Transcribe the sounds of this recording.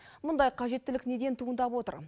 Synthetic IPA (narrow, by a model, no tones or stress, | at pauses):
mʊnd̪ɑjqʰɑʒe̞t̪ːɪlɪkne̞d̪e̞nt̪ʰuənd̪ɑpwo̞t̪ə̰ɾ